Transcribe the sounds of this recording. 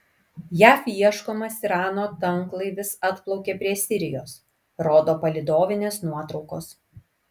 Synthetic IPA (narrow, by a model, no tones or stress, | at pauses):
jæːfiɛʃkoːmɐsiɾɑːnoːt̪ɐŋklˠɐɪʋʲɪsɐt̪plˠɒʊkʲeːpʲɾʲiɛsʲɪɾʲɪjoːs | ɾoːd̪oːpɐlʲɪd̪oːʋʲɪnʲeːsnuɔt̪ɾɒʊkoːs